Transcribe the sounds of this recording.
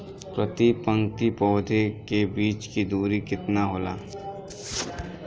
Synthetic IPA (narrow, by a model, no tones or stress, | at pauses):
pɾət̪ipə̃ŋɡt̪ipɔːd̪ʱekebiːt͡ʃkid̪uːɾikɪt̪naɦoːla̰ː